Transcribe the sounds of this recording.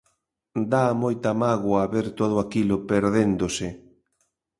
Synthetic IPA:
d̪aːmojt̪amaɣwaβeɾt̪oð̞ʊakilopeɾðend̪osɪ

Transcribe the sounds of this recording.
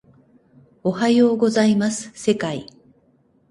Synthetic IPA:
o̞hajoːɡo̞zaimasɨ̥se̞kai

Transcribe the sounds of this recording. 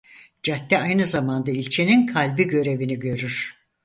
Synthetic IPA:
d͡ʒat̪ːɛajnɯzamand̪ailʲt͡ʃʰe̞ninkʰalʲbiɟø̞ɾe̞viniɟø̞ɾyɾ̥

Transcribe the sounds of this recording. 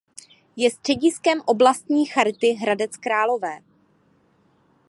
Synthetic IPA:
jɛst̪r̥ɛɟɪskɛmʔo̞blast̪ɲiːxaɾt̪ɪɦɾadɛt͡skɾaːlo̞vɛː

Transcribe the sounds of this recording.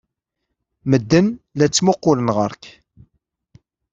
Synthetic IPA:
məd̪ːənlæt͡sːmʊqːʊlənʁəɾk

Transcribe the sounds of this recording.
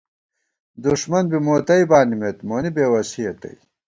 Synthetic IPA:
d̪uʂmɐnbimoːt̪ɐjbaːnimet̪moːnibeːwɐsiɐt̪ɐ̰i

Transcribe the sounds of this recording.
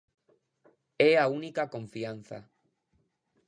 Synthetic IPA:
ɛaunikakõɱfian̟θa̰

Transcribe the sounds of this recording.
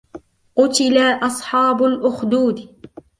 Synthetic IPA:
qʊt̪ɪlaʔɑsˤħɑːbʊlʔʊxd̪uːd̪

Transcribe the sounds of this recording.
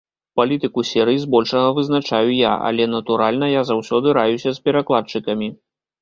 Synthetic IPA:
palʲit̪ɨkusʲɛɾɨjizbɔlʲʂɐɣɐvɨzn̪at͡ʂajuja̰ʔa̰lʲɛnɐt̪uɾalʲnɐjazawsʲɔd̪ɨɾajusʲɐspʲɛɾaklˠat͡ʂɨkɐmʲi

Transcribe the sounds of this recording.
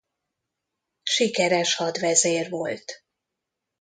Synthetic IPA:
ʃikɛɾɛʃhɒd̪ʋɛzeːrvo̞lt̪

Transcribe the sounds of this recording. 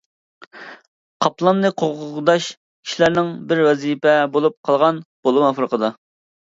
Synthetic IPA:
qʰɑplˠɑnlɨqʰoʁʁd̪ɑʃ | kʲʰi̥ʃlæɾnɪŋbɪɾwɛzipɛbolˠup̚qʰɑlˠʁɑnb̥olˠumɑfɾəqəd̪ɑ

